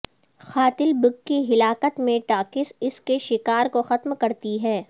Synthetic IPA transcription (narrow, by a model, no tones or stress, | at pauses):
xaːt̪ɪlbʊɡːiɦɪlaːkət̪mẽʈaːkɪsɪskeʃɪkaːɾkoxɐt̪mkɐɾt̪iɦɛː